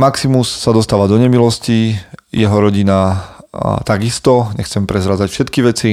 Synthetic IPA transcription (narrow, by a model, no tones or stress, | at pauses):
maksimusːad̪ɔst̪aːʋad̪ɔɲɛmilɔscijɛɦɔɾɔɟina | t̪aɡist̪ɔɲɛxt͡sɛmpɾɛzɾad͡zacfʃɛt̪kiʋɛt͡si